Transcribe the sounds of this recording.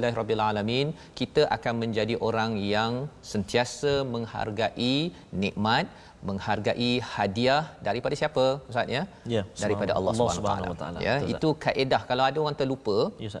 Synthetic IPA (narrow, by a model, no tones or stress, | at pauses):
lːaɾɔbialalamĩn | kit̪aʔakanmə̃ɲd͡ʒadiʔoɾaŋjaŋsənt̪iasəmə̃ŋha̰rɡaʔi | nĩʔmãt̪̚ | mə̃ŋharɡaʔihadiahdaɾipadasiapəəsat̪̚ɲa | daɾipadaʔa̰lːɑ̰suant̪aa̰la̰ja̰ḭt̪ukaʔedahkalawadaoɾaŋt̪əlupə